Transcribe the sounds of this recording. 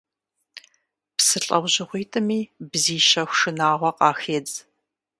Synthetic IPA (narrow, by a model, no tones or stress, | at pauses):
psɨɬʼɐwʑɪʁʷiːtʼɨmiːbziːʃɐxʷʂɨnaːʁʷɔqʼɑːxeːd͡z